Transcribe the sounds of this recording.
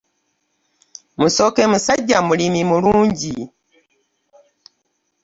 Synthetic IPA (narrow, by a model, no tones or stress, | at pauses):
musokemusaɟamulimimuluːɲɟi